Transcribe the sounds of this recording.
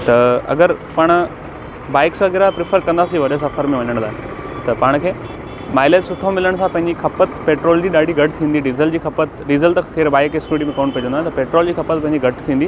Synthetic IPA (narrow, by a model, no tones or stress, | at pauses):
t̪ɐɐ̰ɡəɾpɐɽ̃ʊ̆ | baːɪksɡeɾapɾɪfʰəɾkɐ̃nd̪aːsiʋɐɗos̬ɐfəɾmẽʋɐɲəɽ̃laːɦ | t̪ɐpaːɽ̃kʰeː | maːɪlet̪sʊʈ̪ʰomɪləɽ̃sãpɐ̃ɦɪ̃ɲd͡ʑixʰɐpət̪ʰpeːʈɾoːld͡ʑiːɗaːɽʱiɡʱɐʈ̚ʰt̪ʰĩːnd̪iɖiːzəld͡ʑiːxʰɐpət̪ɖiːzəlt̪t̪ʰeːɾbaːɪkɪskiːʈ̬imẽkɐːɽ̃piɐd͡ʑə̃nd̪ːt̪ɐpeːʈɾoːld͡ʑiːxʰɐpət̪̚pɐ̃ɦɪ̃ɲd͡ʑiɡʱɐʈt̪ʰĩːnd̪i